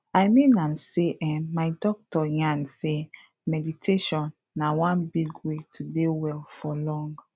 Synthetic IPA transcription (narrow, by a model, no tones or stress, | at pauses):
ajmĩnãmseʔɛmaɪdɔk̚tɔjãnse | mɛditʰeʃɔ̃nːawãnbiɡwetʰudewɛlfɔlɔ̃ŋɡ